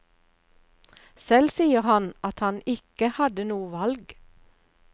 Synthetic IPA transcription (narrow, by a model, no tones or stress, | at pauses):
sɛlsiːəʁhɑnɑt̪hɑnɪkəhɑd̪ənuːəʋɑlɡ